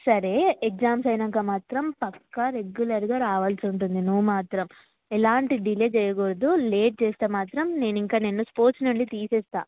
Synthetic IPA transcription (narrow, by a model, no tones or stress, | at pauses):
sɐɾeːekzaːmsɐjnɐŋkaːmaːt̪ɾɐmpɐkːɐɾe̞ɡjulɐɾɡaːɾaːʋɐːlsiuɳʈund̪inuʋːumaːt̪ɾɐm | ɛlaːɳʈiɖileːt͡ʃɛjɐkoɾɐd̪uleːʈ̚t͡ʃɛːst̪eːmaːt̪ɾɐmne̞ːniŋkaːnenːuspoːɾt͡ʃnuɳɖit̪iːsɛːst̪a̰ː